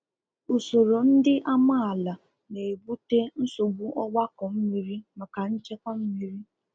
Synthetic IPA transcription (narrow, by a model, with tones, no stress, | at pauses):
u˨so˨ɾo˨n̩˦dɪ˦ʔa˦ma˦˨a˨la˨ | ne˨e˨bu˦te˦n̩˦so˨ɡ͡bu˦ʔɔ˦ɡ͡ba˦kɔ˨m̩˦mi˨ɾi˦ma˨ka˨n̩˦t͡ʃe˦kɔ˦m̩˦mi˨ɾi˦